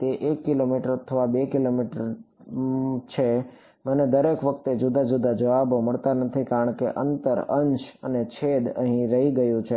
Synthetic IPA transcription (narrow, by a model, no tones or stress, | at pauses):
t̪eʔekːilomiʈəɾt̪ʰəʋabekilomiʈəɾ | t͡ʃʰe | məned̪əɾekʋək̚t̪ed͡ʒud̪ad͡ʒud̪ad͡ʒəʋaboməɭt̪anət̪ʰikaɾəɳ̃kḛʔə̰nt̪əɾəɲt͡ʃənet͡ʃʰed̪əɦĩɾəɦiɡəjũt͡ʃʰe